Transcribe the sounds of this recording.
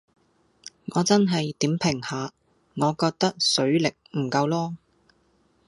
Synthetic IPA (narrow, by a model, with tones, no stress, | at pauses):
ŋɔː˨˧t͡sɐ˥nɦɐ˨jt̪iː˨˥mpʰɪ˨˩ŋhaː˨ | ŋɔː˨˧kɔː˧k̚t̪ɐ˥k̚sɵ˨˥ɥlɪ˨k̚m̩˨˩kɐ˧wlɔː˥